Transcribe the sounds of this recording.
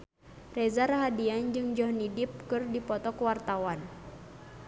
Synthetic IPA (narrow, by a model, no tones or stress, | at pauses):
rɛzaɾaɦadiand͡ʒɨŋd͡ʒɔɦnidip̚kɨrdipɔt̪ɔkuwart̪awan